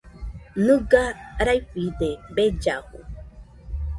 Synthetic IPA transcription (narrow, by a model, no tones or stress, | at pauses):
nɨɡaɾajɸid̪ebed͡ʒahṵ